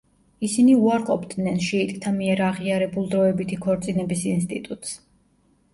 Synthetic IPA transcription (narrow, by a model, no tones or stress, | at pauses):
isiniuaɾqʼɔbd̪nɛnʃɛit̪ʼkʼt̪ʰamiɛɾaʁiaɾɛbulˠd̪ɾɔɛbit̪ʰikʰɔɾt̪sʼinɛbisinst̪ʼit̪ʼut̪ʼs